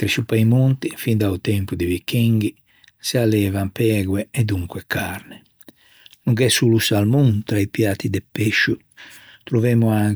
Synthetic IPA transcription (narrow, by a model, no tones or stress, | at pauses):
t̪ɾisupajmont̪ifind̪aut̪ɛmpud̪ivikːiŋɡi | sialɛːvampɛːɡwɛɛd̪uŋkwɛkʰaɾnɛ | nuŋkɛsulusalmunt̪ɾaipjaːt̪id̪ɛpːeʃːu | t̪ɾuvɛːmuaŋ